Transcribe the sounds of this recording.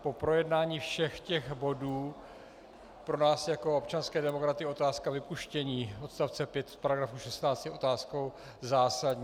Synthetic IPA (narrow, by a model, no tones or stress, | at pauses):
po̞pɾo̞jɛdnaːɲiːfʃɛxcɛxbo̞duː | pɾo̞naːsjako̞opt͡ʃanskɛːdɛmo̞kɾat̪ɪo̞t̪aːskavɪpuʃcɛɲiːo̞t̪st̪aft͡sɛpjɛt̪fpaɾaɡɾafuʃɛst̪naːt͡st̪jɛʔo̞t̪aːsko̞w | zaːsadɲː